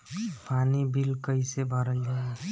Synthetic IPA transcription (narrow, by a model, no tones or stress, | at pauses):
pʰaːnibʱilkəisebʱəɾənd͡ʒa